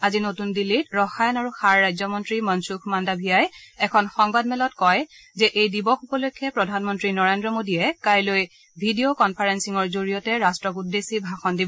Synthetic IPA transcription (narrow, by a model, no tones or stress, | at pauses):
azinotundilitɹɔxajɔnaɹuxaɹːajzɔmɔntɹimɔnsukʰmandabʱijajɛkʰɔnxɔŋbadmɛlɔtkɔj | zɛʔejdibɔxupɔlojkʰːɛpɹɔdʱanmɔntɹinɔɹendɹɔmodiɛkajloj | bʱidiokɔnpʰaɹensiŋɔɹzoɹijɔtɛɹastɹɔkudːesibʱaxɔndibɔ